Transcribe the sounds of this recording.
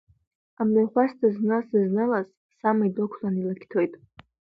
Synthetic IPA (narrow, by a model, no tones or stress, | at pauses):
amlaχʷastʰaznɨsɨznɨlaz | samaidokʷʰlanilakʲʰtʰo̞jtʼ